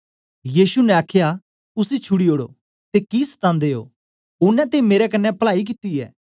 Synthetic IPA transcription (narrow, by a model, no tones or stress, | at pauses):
jiːsunɛ̃aːkʰja | ʊsit͡ʃʰʊɽioːɽo̰ | t̪ekist̪ãːnd̪eːo̰ː | ʊnːɛ̃t̪̬emeːɾɛkɐnːɛpɐɭaːik̬ɪt̪iɛ̰ː